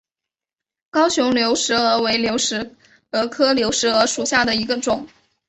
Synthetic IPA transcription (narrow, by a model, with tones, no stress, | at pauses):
kɑ˥ʊɕjʊ˧˥ŋljo˧˥ʊʂɻ̩˧˥ə˞˧˥we˧˥ɪljo˧˥ʊʂɻ̩˧˥ | ə˧˥kʰɤ˥ljo˧˥ʊʂɻ̩˧˥ə˧˥ʂu˨˩ɕja˥˩d̪ə˩i˧˥ɡə˧ʈ͡ʂʊ˨˩˦ŋ